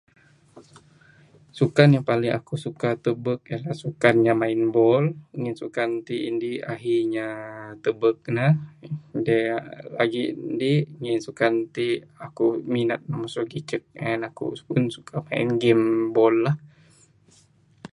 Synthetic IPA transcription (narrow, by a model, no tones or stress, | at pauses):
sukanjaŋpalɪŋʔa̰kusukat̪əbək̚jalahsukanɲamaɪnbɔlŋɪnsukant̪iindiaɦiɲat̪əbək̚na | dɛlaɡindiŋɪnsukant̪iakuminət̪̚namasɔɡit͡ʃək̚anakṵpunsu̥kamaɪ̰nɡɛmbɔlːah